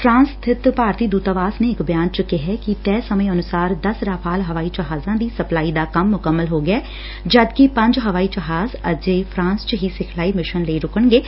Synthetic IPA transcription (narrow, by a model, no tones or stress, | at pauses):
fɾãːnst̪ʰɪt̪paːɾt̪id̪uːt̪aʋaːsneːkbjãːnt͡ʃʊkeɦɛkit̪ɛːsɐməeɐnʊsaːɾd̪ɐsɾaːfʰaːlɦɐʋaːid͡ʒɐɦaːzãd̪isɐplaːid̪akɐmːʊkəmːəlɦoɡɐɛː | d͡ʒɐd̪kipɐ̃ɲd͡ʒɦɐʋaːid͡ʒɐɦaːzɐd͡ʒeːfʰɾãːnst͡ʃəɦisɪkʰlaːimɪʃənleːɾʊkəɳɡeː